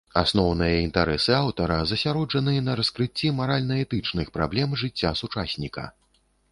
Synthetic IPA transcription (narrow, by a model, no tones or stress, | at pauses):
a̰snɔwnɨjɐint̪aɾɛsɨawt̪ɐɾɐzɐsʲaɾɔd͡ʐɐnɨɐnɐɾɐskɾɨt͡sʲːimaɾalʲnɐɛt̪ɨt͡ʂnɨxpɾa̰blʲɛmʐɨt͡sʲːasut͡ʂasʲnʲikɐ̰